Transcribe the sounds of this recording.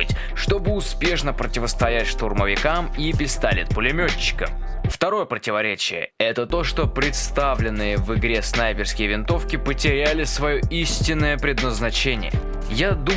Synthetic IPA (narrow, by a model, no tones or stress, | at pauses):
tʲ | ʂt̪o̞bɨʊspʲe̞ʂnəpɾətʲɪvəst̪ɐjætʲʂt̪ʊrməvʲɪkamipʲɪst̪alʲɪt̪̚pəlʲɪmʲot͡ɕːɪ̥kəm | ft̪ɐɾo̞jəpɾətʲɪvɐɾʲet͡ɕɪjə̰ɛt̪ət̪o̞ʂt̪o̞pɾʲɪt̪st̪avlʲɪnːɨjəvɨɡɾʲe̞snajpʲɪrskʲɪjəvʲɪnt̪o̞fkʲɪpətʲɪɾʲælʲɪsvɐjo̞isʲtʲɪnːəjəpɾʲɪd̪nəznɐt͡ɕenʲɪ̰jə̰ | jad̪u